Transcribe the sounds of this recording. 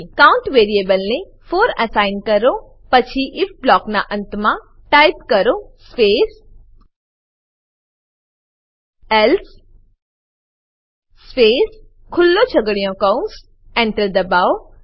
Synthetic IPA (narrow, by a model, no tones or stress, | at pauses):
kawʊɳʈʋeːɾiebəlnẽ | foːɾɐsaɪnkəɾo | pət͡ʃʰiʔɪfblɔːknaʔə̃nt̪mã | ʈajpkəɾospeːs | els | speːs | kʰʊlːot͡ʃʰəɡɽijõkaũns | ẽɳʈəɾd̪ɐbao